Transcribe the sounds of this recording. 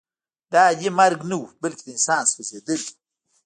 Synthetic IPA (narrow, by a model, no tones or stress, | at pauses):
dajimaɾɡnuwbəlkʲd̪insaːnsfəzed̪ɨl